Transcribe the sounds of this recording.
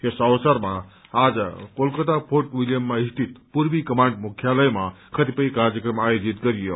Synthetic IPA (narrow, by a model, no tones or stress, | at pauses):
esəwsəɾma | ad͡ʒkolkət̪apʰoɾʈwiljəmːaist̪ʰit̪puɾbikəmaɳɖmukʰjaləjmakʰət̪ipəjkaɾjəkɾəmajod͡ʒit̪̚ɡəɾijo̰